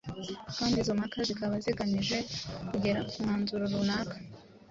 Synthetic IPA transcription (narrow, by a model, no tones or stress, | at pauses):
kaːndizo̞makazikaβaziɡaniʒe̞kuɟe̞ɾakumŋaːnzuɾoɾunaːkḁ